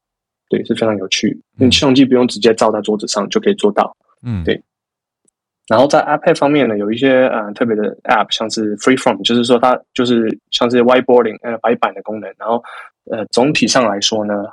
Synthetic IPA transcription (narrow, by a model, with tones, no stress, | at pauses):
t̪we˥˩ɪʂɻ̩˥˩fe˥ɪʈ͡ʂʰɑ˧ŋjo˨˩ʊt͡ɕʰy̰˥˩ | i˥˩˥ɕɑ˥˧ŋt͡ɕi˥˩p̬u˧˥jo˥˩ŋʈ͡ʂɻ̩˧˥t͡ɕjɛ˥t͡sɑ˥˧ʊa˥˩ɪt͡swɔ˥t͡sɹ̩˨˩ʂɑ˥˨ŋt͡ɕjo˥˩ʊkʰɤ˧˥i˨˩t͡swɔ˥˧t̪ɑ̰˥˩ʊ | t̪we˥˩ɪ | na˧˥nxo˥˧ʊt͡sa˥˩ɪʔa˥pʰɛ˥˩fɑ˥ŋmjɛ˥˨nːə˩jo˨˩ʊi˥˩ɕjɛ˥ə˩t̪ʰɤ˥˩p̬jɛ˧˥d̪ə˧ɛ̰˥˩p̚ʰɕjɑ˥˧ŋʂɻ̩˥˩fɹi˥fɹɔ˥˩nt͡ɕjo˥˧ʊʂ̬ɻ̩˥˩ʂwɔ˥t̪ʰa˥t͡ɕjo˥˧ʂ̬ɻ̩˥˩ɕjɑ˥˧ŋʂ̬ɻ̩˥˩wa˥ɪpɔ˥ḭ˨˩ŋə˨˩pa˨˧˥ɪpa˨˩nd̪ə˦kʊ˥ŋnə˧˦nna˧˦nxo˥˩ʊ | ə˧˩t͡sʊ˧˥ŋt̪ʰi˨˩ʂɑ˥˩ŋla˧˥ɪʂwɔ˥nə˧